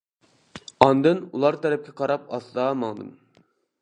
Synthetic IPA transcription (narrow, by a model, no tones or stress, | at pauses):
ɑnd̪ɨnulˠɑɾt̪ʰɛɾɛp̚kʲɛqʰɑɾɑp̚ɑsd̪ɑmɑŋd̪ɨ̰m